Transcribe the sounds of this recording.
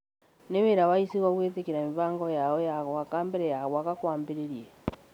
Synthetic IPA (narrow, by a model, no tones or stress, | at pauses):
neweɾawaisiɣaɣwetekeɾamivaːŋɡɔjaɔjaɣwakaːmbɛɾɛjaɣwakakwaːmbeɾeɾiɛ